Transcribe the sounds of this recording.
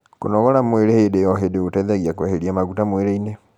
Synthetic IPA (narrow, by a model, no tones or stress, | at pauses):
ko̰nɔɣɔɾamoeɾehedejɔɦedeotaiðaɣiakwɛheɾiamaɣutamweɾeine